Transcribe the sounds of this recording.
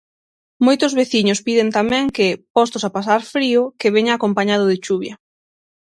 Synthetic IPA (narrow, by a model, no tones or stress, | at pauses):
mojt̪ʊzβeθiɲʊspiðɪnt̪amɛ̃ŋkɪpɔst̪ʊsapas̬aɾfɾiʊkeβeɲaːkompaɲað̞ʊðɪt͡ʃuβ̞jɐ